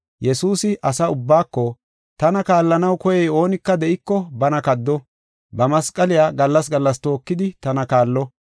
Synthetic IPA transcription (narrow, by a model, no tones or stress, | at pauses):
jɛsuːsɪʔɐsɐʊbːaːkːɔ | t̪ɐnɐkaːlːɐnɐwkɔjɛjo̞ːnɪkːɐd̪ɛʔɪkːɔbɐnɐkɐd̪ːɔ | bɐmɐskʼːɐlɪjaːɡɐlːɐs̬ɡɐlːɐst̪o̞ːkːɪd̪ɪt̪ɐnɐkaːlːɔ